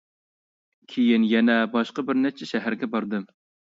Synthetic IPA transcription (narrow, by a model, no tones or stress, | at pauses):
kʲʰejinjɛnɛbɑʃqɑbɪɾnɛt͡ʃʰːɛʃɛɦæɾɡʲɛbɑɾd̪ɨ